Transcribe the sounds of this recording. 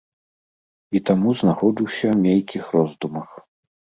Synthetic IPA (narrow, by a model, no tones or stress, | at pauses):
it̪amuznaxɔd͡zʲiwsʲɐwmʲejʲkʲixrɔzd̪umɐx